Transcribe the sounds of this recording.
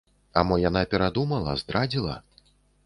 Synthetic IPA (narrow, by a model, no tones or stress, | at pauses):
a̰mɔjanapʲɛɾad̪umɐlˠɐ̰zd̪ɾad͡zʲilˠɐ̰